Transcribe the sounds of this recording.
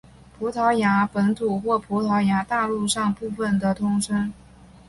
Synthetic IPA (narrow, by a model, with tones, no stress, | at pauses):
pʰu˧˥t̪ʰɑ˧˥ʊja˧˥pə˧˥nt̪ʰu˨˩xwɔ˥˩pʰu˧˥t̪ʰɑ˧˥ʊja˧˥t̪a˥˧lu˥˧ʂɑ˥˧ŋpu˥˩fə˥˩nd̪ə˩t̪ʰʊ˥ŋʂɤ˥ŋ